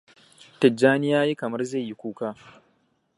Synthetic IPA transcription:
tɐ˨d͡ʒːaː˦nɪ˦jaː˦ji˦kɐ˨mɐ˦rza˦˨jji˦kʷuː˦kaː˦

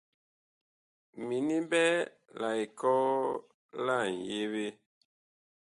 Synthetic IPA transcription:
mi˨ni˦bɛ˦ | la˨i˨kɔ˦ | la˦˨n̩˨je˦we˦

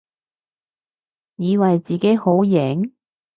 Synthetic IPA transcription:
jiː˨˧wɐ˨jt͡siː˨ke˨˥jho˨˥wjɛ˨˥ŋ

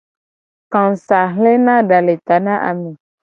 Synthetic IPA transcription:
kã˨n˨sa˨ɦle˦nã˦ɖa˨le˨t̪a˨nã˦ʔa̰˨mẽ˨

